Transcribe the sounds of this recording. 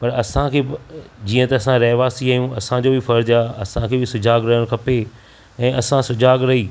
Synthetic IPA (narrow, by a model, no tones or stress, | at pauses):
pɐɾɐsãkʰeːbd͡ʑiːə̃t̪ɐɐsãɾɐɦʋaːsiaɦijũɐsãd͡ʑoːbɪfɐɾd͡ʑaːɐ̰sãkʰeːbɪsʊd͡ʑaːɡɾɐɦəɽ̃kʰɐpe | ɛ̃ːʔɐsãsʊd͡ʑaːɡɾɐɦiː